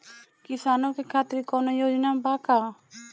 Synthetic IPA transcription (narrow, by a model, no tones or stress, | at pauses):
kɪsaːnokekʰaːt̪ɾikɔnojoːd͡ʒnabaka